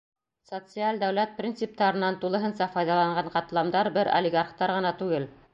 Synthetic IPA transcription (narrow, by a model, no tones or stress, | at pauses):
sot̪sɨalʲd̪æwlæt̪̚prʲint̪sɨp̚t̪ɑɾɤ̆nːɑnt̪ulˠɤ̆ɦɤnsɑfɑjðɑlˠɑɴɢɑɴqɑt̪lˠɑmd̪ɑɾbɘɾo̰lʲɪɡarχt̪ɑɾʁɤ̆nɑt̪ʉɡɘl